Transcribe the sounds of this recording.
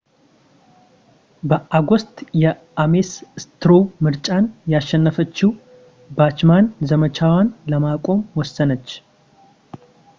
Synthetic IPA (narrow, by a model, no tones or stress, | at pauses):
bəʔaɡost̪ʼjɛ | amesɨst̪ɨɾomɨɾt͡ʃʼanjaʃːɛnːəfət͡ʃːi | bat͡ʃmanzəmət͡ʃʰawanləmakʷʼo̞mwɔsːənət͡ʃː